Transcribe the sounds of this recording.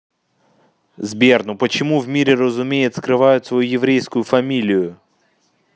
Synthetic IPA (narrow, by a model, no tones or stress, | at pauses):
zbʲernʊpət͡ɕɪmuvmʲiɾʲɪrəzʊmʲejɪt̪ʲskɾɨʋajʊt̪ʲsvɐjujɪvɾʲejskʊjʊfɐmʲilʲɪjʊ